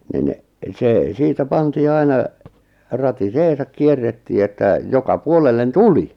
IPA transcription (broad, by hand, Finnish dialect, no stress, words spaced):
nin seˑ siːtæ pɑntiː ɑinɑ rɑtiseːsɑk kierːetːiː etːæ jokɑ puolelːen tuli